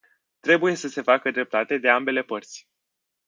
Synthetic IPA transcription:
t̪ɾe̞buje̞səse̞fakəd̪ɾe̞p̚t̪at̪e̞d̪e̞ambe̞le̞pərt̪sʲ

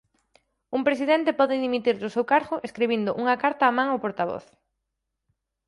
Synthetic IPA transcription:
umpɾesiðent̪epɔðɪðimit̪iɾðʊsewkaɾɣʊʔeskɾeβ̞ind̪ʊʔuŋɐkaɾt̪aːmãŋawpoɾt̪aβ̞ɔ̰θ

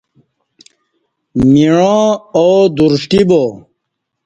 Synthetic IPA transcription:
miɻõːoːd̪uɾʂʈibo

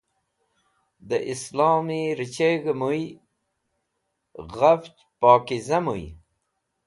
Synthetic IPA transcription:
d̪əʔislɑːmiɾit͡ɕeɡəmuj | ɣaft͡ʃ | pɑːkizɐmuj

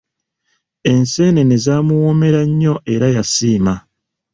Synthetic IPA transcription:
e̞nse̞ːne̞nezaːmuwo̞me̞ɾaɲːo̞ʔe̞ɾajasiːma

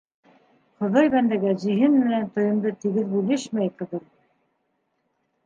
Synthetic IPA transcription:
χŏðɑjβænd̪æɡæʑĭɦɘnmɘɘ̆nænt̪ŏjɤ̆md̪ɤt̪iɡɘðbʉlɘʃmæjqɤ̆ðɤɾ

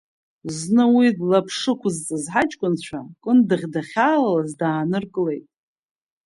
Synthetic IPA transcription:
znɨwidlapʰʂɨkʷʰʊzt͡sʼɨzħat͡ʃʼkʷʼʊnt͡ɕʷʰakʼɨndɨʁʲdaχʲaːlazdaːnɨrkʼɨle̞jtʼ

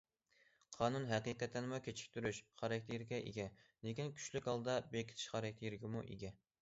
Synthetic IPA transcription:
qʰɑːnunɦɛqiqɛt̪ːɪnmukʲʰet͡ʃʰi̥kʲt̪ʰyɾyʃχɑɾɛk̚ʲt̪ʰijiɾɡʲɛʔḛɡʲɛlekʲinkʲʰy̥ʃlykʲhɑlˠd̪ɑbekʲʰi̥t̪ʰɪ̥ʃχɑɾɛk̚ʲt̪ʰijiɾɡʲɪmuʔḛɡʲɛ

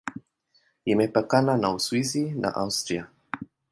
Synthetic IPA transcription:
imɛpakananauswizinʔa̰ʔawst̪ɾia

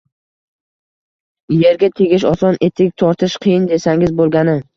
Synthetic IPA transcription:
je̞ɾɡʲat̪ʰeɡʲɪʃɒsɒnʔe̞t̪ʰɪk̚ʲt̪ʰɒɾt̪ʰɪʃqʰɨjɪnd̪e̞saŋɪzbolˠɡʲanɪ

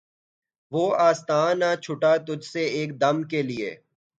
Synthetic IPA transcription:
ʋoːaːst̪aːnat͡ʃʰʊʈat̪ʊd͡ʒseeːk̚d̪ɐmkeliḛː

